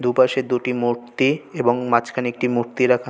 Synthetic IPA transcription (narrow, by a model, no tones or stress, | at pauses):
d̪upaʃed̪uʈimuɾt̪ieboŋmat͡ɕkʰaneek̚ʈimuɾt̪iɾakʰa